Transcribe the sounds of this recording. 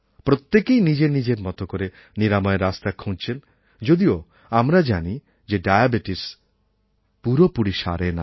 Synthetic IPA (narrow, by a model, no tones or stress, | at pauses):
pɾot̪ːekejnid͡ʒenid͡ʒeɾmɔt̪okoɾe | niɾamɔeɾast̪akʰũnt͡ʃʰen | d͡ʒod̪io | amɾad͡ʒani | d͡ʒeɖajabiʈis | puɾopuɽiʃa̰ɾena̰